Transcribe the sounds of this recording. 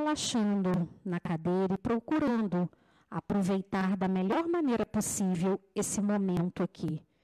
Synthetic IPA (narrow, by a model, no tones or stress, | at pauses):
laʃɐ̃nd̪ʊnɐkad̪ejɾɐɪpɾokuɾɐ̃nd̪ʊ | apɾovejt̪aɾd̪ɐmeʎɔɾmɐ̃nejɾɐposivewesɪmõmẽnt̪ʊakʰi